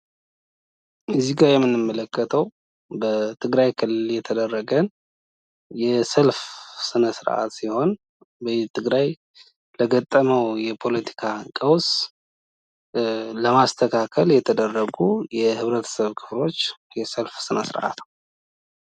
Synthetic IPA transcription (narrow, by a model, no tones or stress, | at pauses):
ʔɨzːiɡaɾjɛmːɨnɨmːələkːət̪ʰəw | bət̪ʰɨɡɾajkʰɨlːɨljɛt̪ʰəd̪ərːəɡən | jɛsəlfsɨnəsɨɾʔa̰t̪siho̞n | bət̪ʰʼːɨɡɾaj | ləɡət̪ʼːəməwjɛpʰo̞lət̪ʰi̥kʰakʼəws | ləmast̪ʰəkʰakʰəljɛt̪ʰəd̪ərːəɡujɛhɨβɾət̪ʰə̥səβkʰɨ̥flo̞t͡ʃː | jɛsəlfsɨnəsɨɾʔa̰t̪